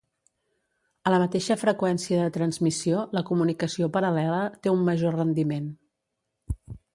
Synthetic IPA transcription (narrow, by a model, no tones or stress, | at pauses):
ələmət̪eʃəfɾəkwɛnsiəðət̪ɾənzmisioləkumunikəsiopəɾəlɛlət̪eumːəʒorənd̪imen